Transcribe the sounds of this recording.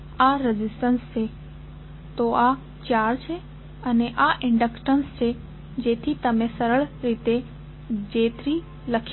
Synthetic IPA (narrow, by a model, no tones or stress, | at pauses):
aɾɪzɪsʈənst͡ʃʰe | t̪oa | t͡ʃjaːɾt͡ʃʰe | ɐneʔaʔɪ̃ɳɖəkʈənst͡ʃʰe | d͡ʑeːt̪ʰit̪ɐmẽsɐɾəɭɾiːt̪e | d͡ʑeːt̪ɾi | lɐkʰ